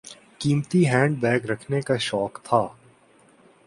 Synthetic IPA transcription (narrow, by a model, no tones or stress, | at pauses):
kiːmt̪iɦɛ̃ːɳɖ̚bɛːɡɾɐkʰnekaʃɔːkt̪ʰaː